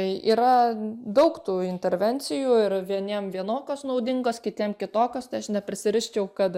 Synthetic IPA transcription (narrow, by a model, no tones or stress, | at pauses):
ɐɪʔiːɾɐd̪ɐʊkt̪uːɪnʲt̪ʲɛɾʲʋʲɛnʲsʲɪjuːɪɾʋʲiɛnʲiɛmʋʲiɛnoːkʲoːsnɐʊd̪ʲɪŋɡoːskʲɪt̪ʲiɛmkʲɪt̪oːkʲoːst̪ɐɪɐʃnʲɛpʲɾʲɪsʲɪɾʲɪʃʲt͡ʃʲɛʊkɐt̪